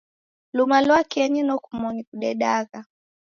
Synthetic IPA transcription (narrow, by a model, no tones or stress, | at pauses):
lumalwakɛɲinɔkumɔnikuɗɛɗaɣa